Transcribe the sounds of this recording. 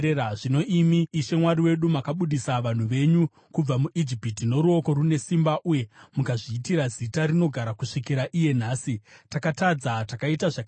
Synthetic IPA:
eaʐino̞ʔimiːʃe̞mwaɾiwe̞ɗumakaɓuɗisaʋan̤uʋe̞ɲu | kub͡vamuʔid͡ʒipitino̞ɾuo̞ko̞ɾune̞simbaʔuje̞mukaʐiːtiɾazitaɾino̞ɡʱaɾakuʂikiɾaʔije̞n̤aːsitakatad͡zatakaitaʐak

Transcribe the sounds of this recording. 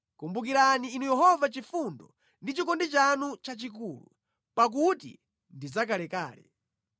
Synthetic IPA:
kumbukiɾaniːnujɛɦɔvat͡ʃifundɔ | ndit͡ʃikɔndit͡ʃanut͡ʃat͡ʃik̬uːlu | pak̬utḭ | ndizak̬alɛka̰ːlɛ̰

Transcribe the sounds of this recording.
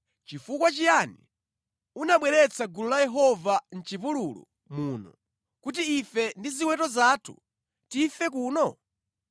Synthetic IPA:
t͡ʃifukwat͡ʃijanḭ | unaɓwɛɾɛt͡sʰaɡululajɛɦɔvan̩t͡ʃipululṵ | muːnɔ̰ | kut̬iːfɛndiziwɛtɔzaːtʰṵ | tifɛk̬uːnɔ

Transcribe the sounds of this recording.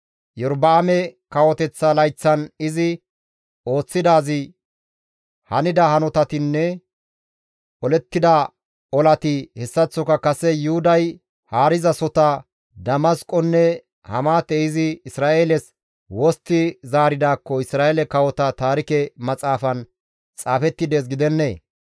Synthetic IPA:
jɔɾbaːmɛkɐwɔt̪ɛt͡sːɐlɐjt͡sːɐnɪzɪ | o̞ːt͡sːɪd̪aːzɪ | hɐnɪd̪ɐhɐnɔt̪ɐt̪ɪnːɛ | ʔɔlɛt̪ːɪd̪ɐ | ɔlɐt̪ɪhɛsːɐt͡sːɔkɐkɐsɛjʊhʊd̪ɐj | haːɾɪzɐsɔt̪ɐ | d̪ɐmɐskʼɔnːɛ | hɐ̰maːt̪ɛɪzɪɪsɾaːʔeːlɛs | wɔst̪ːɪzaːɾɪd̪aːkːɔɪsɾaːʔeːlɛkɐwɔt̪ɐt̪aːɾɪkɛmɐt͡sʼaːfɐn | t͡sʼaːfɛt̪ːɪd̪eːs̬ɡɪd̪ɛnːeː

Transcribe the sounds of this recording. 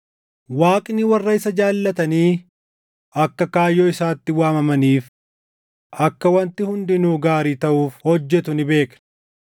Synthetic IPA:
waːkʼnɪwɐrːɐɪsɐd͡ʒaːlːɐt̪ɐniː | ɐkːɐkaːjːoːɪsaːt̪ːɪwaːmɐmɐniːf | ʔɐkːɐwɐnt̪ɪhʊnd̪ɪnuːɡaːɾiːt̪ɐʔuːfhɔd͡ʒːɛt̪ʊnɪbe̞ːknɐ̥

